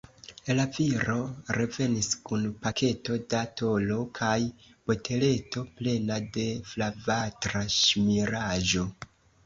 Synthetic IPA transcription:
laviɾo̞ɾe̞ve̞niskunpakʰe̞to̞dato̞lo̞kʰaj | b̥o̞tʰe̞le̞to̞ple̞nade̞flavatɾaʃmiɾaʒo̞

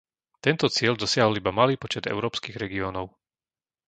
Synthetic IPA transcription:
t̪ɛnt̪ɔt͡sɪɛld̪ɔsɪaɦɔlibamaliːpɔt͡ʃɛd̪ɛ̰ʊɾɔːpskiːɣɾɛɡiɔːnɔʊ

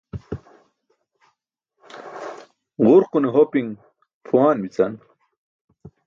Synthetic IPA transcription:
ʁuɾquneɦopiŋ | pʰuwaːnwit͡san

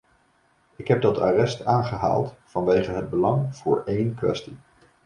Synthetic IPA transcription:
ɪkɦɛb̚dɑta̰rɛstaːnχəɦa̰ːlˠtfɑnʋejχənɦəd̚bəlɑŋv̥ʊːɹejnkʋɛ̰sti

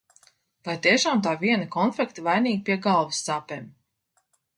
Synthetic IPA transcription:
vajt̪iɛʃaːmt̪aːviɛnakɔnflʲɛkt̪vajniːɡ̚pʲiɛɡalˠvusːaːpeːm

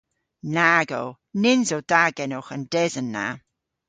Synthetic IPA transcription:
naɡo̰w | nɪnzowd̥aɡɛnoxəndɛzənːa̰

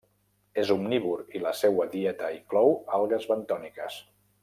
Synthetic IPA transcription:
ezumniβuɾiləsewəðiɛt̪əiŋklɔwalˠɣəzβənt̪ɔnikəs

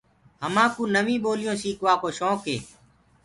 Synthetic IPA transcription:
ɦəmãːkũːnəʋĩːɓoːlɪjõːsiːkʋaːkoːʃoːkɦḛː

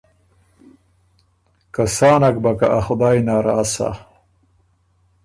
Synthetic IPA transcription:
kasaːnak̚bakaʔaxʊd̪aːjnaːɾaːsa̰

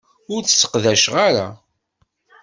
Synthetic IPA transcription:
ʊɾt͡sːsə̥qðæʃʁaɾa

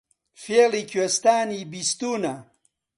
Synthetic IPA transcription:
felikest̪aːnibist̪uːna

